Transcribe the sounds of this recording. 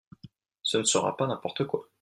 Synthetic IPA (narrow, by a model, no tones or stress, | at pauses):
sənəsəʁa̰panɛ̃pɔʁt̪əkwa